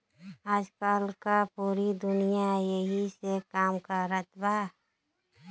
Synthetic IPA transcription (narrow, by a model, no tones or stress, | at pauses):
aːd͡ʒkaːlkapuːɾid̪ʊnijajəɦisekaːmkaɾət̪baː